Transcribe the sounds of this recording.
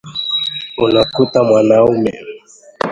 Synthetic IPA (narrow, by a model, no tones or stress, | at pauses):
unakutamwanaumɛ̰